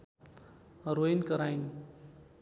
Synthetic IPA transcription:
ɾojnkʌɾajn

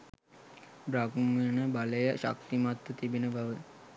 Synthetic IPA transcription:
bɾaɡumənəbaləjəʃa̰k̚t̪imat̪ːət̪ibinəbaʋə

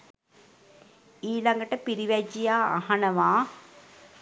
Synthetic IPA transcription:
iːlaŋɡəʈəpiɾiʋæd͡ʒija̰ːhanəʋaː

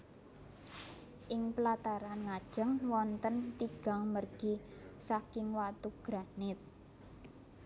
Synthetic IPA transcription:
ʔɪŋpəlat̪aɾanŋad̥ʒ̥ə̤ŋwɔnt̪ənt̪iɡ̥a̤ŋmərɡ̥isakɪŋwat̪uɡ̥ɾanɪt̪̚

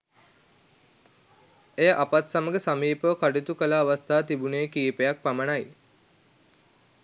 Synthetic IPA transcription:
ejəʔapat̪saməɡesamiːpəʋəkaɖit̪ukəlaːʋast̪ʰaːt̪ibuneːkiːpejak̚pæmənaj

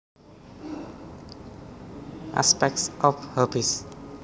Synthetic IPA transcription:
a̰spɛk̚ʈsɔfhəbis

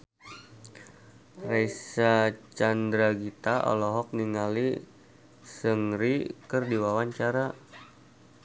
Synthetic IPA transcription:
raisat͡ʃandɾaɡit̪aʔɔ̰lɔɦɔk̚niŋali | səŋɾikərdiwawaɲt͡ʃaɾa

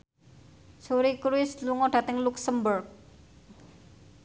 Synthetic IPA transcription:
suɾikɾuɪsluŋɔɖ̥ä̤t̪ɪŋluksəmbʊrk̚

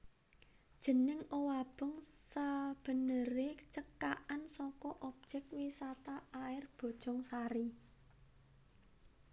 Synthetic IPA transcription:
d̥ʒ̥ə̤nɪŋowab̥ɔ̤ŋsəb̥ə̤nəɾet͡ʃəkaʔansɔkɔʔɔb̥̚ʒ̥ɛk̚t̪̚wisat̪aːɪrb̥ɔ̤d̥ʒ̥ɔ̤ŋsaɾi

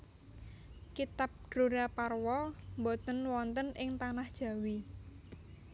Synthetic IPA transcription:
kit̪ap̚d̥ɾuɾaparwɔmbɔt̪ənwɔnt̪ənʔɪŋt̪anahd̥ʒ̥ä̤wi

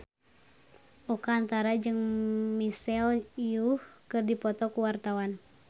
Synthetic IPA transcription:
ʔɔkaːnt̪aɾad͡ʒɨŋmisɛlijuhkɨrdipɔt̪ɔkuwart̪awan

